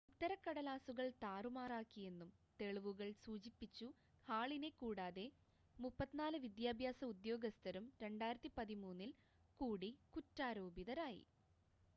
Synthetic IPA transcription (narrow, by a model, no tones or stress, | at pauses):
ut̪ːɐɾɐkːɐɽɐlaːsuɣɐɭt̪aːrumaːraːkːije̞nːumt̪e̞ɭuʋuɣɐɭsuːt͡ɕipːit͡ɕːu | haːɭinekuːɽaːðe̞ | mupːɐt̪ːinaːlɨʋid̪jaːbʱjaːsɐud̪jo̞ːɡɐst̪ʰɐɾumɾe̞ɳɖaːjiɾɐt̪ːipɐðimuːnːil | kuːɽikutːaːɾo̞ːbiðɐɾaːjḭ